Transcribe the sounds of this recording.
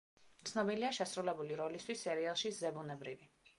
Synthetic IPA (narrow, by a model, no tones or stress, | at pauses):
t̪sʰnɔbiliaʃɛsɾulɛbuliɾɔlist̪ʰwisːɛɾialˠʃizɛbunɛbɾivi